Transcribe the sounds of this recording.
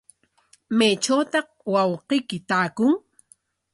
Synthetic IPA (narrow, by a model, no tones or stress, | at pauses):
majt͡ʃawt̪ɑh | wɑwqejkɪt̪aːkʊŋ